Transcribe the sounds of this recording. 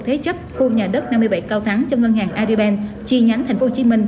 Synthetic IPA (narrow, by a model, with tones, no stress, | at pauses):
t̪ʰe˨˦t͡ɕə˦˥p̚xu˧ɲaː˨˩ɗə˦˥t̚na˧mːɨ˧əjɓa̰˧˩jka˧wt̪ʰaː˨˦ŋt͡ɕɔ˧ŋə˧nɦaː˨˩ŋʔaː˧zi˧ɓɛ˧n | t͡ɕi˧ɲa˨˦ŋt̪ʰɛ˨˩ŋ̟fo˨˦wt͡ɕi˨˦mï˧ŋ̟